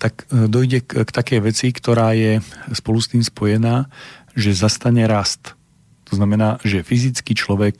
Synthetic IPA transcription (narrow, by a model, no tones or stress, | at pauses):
t̪akd̪ɔjɟɛkt̪akɛjʋɛt͡sikt̪ɔɾaːjɛspɔlust̪iːmspɔjɛnaːʒɛzast̪aɲɛɾast̪ | t̪ɔznamɛnaːʒɛfizit͡skit͡ʃlɔʋɛk̚